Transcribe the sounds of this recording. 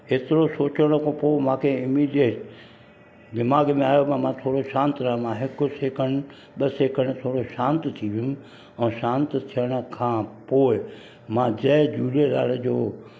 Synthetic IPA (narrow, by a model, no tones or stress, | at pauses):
eːt̪ɪɾosoːt͡ɕəɽ̃okõpoːmãːkʰeɪmiːɖieːʈ | ɡɪmaːɡmẽaːjopɐmãːt̪ʰoːɽoʃãːnt̪ɾamãɦɪkʊseːkʰəɽ̃ | ɓəseːkʰəɽ̃t̪ʰoːɽoʃãːnt̪t̪ʰiʋɪʊm | ɛ̃ːʃãːnt̪t̪ʰijəɽ̃ə̆kʰãːpoːɪ | mãːd͡ʑɐːd͡ʑuːɽela̰ːld͡ʑoː